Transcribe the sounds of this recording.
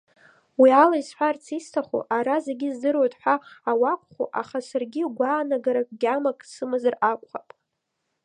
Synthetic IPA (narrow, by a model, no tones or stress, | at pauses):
wialaizħʷᶣart͡sʰistʰaχṵʔaɾazeɡʲizdɨrwotʼħʷᶣaːwakʷʼχṵʔa̰χasarɡʲiɡʷaːnaɡaɾakʷʼɡʲamakʼsɨmɨzarakʷʼχapʼ